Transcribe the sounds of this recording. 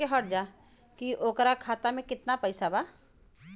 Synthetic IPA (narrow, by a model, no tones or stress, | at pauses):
eɦɐɾd͡ʒa | kiʔoːkɾakʰaːt̪amẽkɪt̪napɐɪsabaː